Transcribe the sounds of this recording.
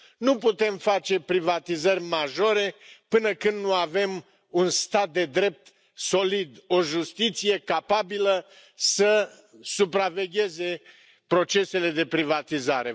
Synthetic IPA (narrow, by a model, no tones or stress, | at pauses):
nuput̪e̞mfat͡ʃe̞pɾivat̪izərʲmaʒo̞ɾe̞pɨnəkɨnd̪nuave̞m | unst̪at̪̚d̪e̞d̪ɾe̞p̚t̪ | so̞lid̪oʒust̪it̪sije̞kapabilə | sə | supɾave̞ɡʲe̞ze̞ | pɾo̞t͡ʃe̞se̞le̞d̪e̞pɾivat̪izaɾe̞